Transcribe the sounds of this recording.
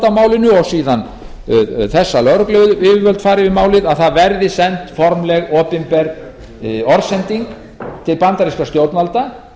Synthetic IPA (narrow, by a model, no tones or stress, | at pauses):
t̪amaːwlɪnʏɔɣsiːðan | θɛsːalœɾʏklʏvʏɪɪvœlt̪faːɾɪvɪðmaːwlɪðaðθaðvɛɾðɪsɛnt̪fɔɾmlɛɣɔːpɪmpɛɾ | ɔɾsɛnt̪iŋk | t̪ʰɪlpant̪aɾiskast̪jowt̪nalt̪a